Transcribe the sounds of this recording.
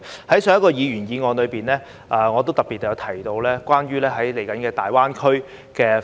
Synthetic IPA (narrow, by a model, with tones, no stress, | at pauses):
hɐ˨˥jsœː˨˧ŋjɐ˥tkɔː˧jiː˨˧ɥyː˨˩njiː˨˧ŋɔː˨˧nlɵ˨˧ɥpiː˨nlɛː˥ | ʔɐː˨ŋɔː˨˧t̪o˥wt̪ɐ˨˩pi˨t̪̚ːɛ˨jɐ˨˧wt̪ʰɐ˨˩jt̪o˧wlɛː˥kʷwʷaː˥nɥyː˥lɛː˥ɦɐ˨˥jle˨˩jkɐ˨˥nkɛː˧t̪a̰ː˨jwaː˥nkʰɵ˥ɥ | kɛː˧